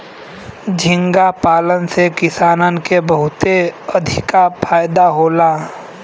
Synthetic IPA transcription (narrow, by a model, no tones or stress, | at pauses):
d͡ʒʱɪ̃ŋɡapaːlənsekɪsaːnənkebəɦʊt̪eɐd̪ʱɪ̰kapʰaːjd̪aɦoːlaː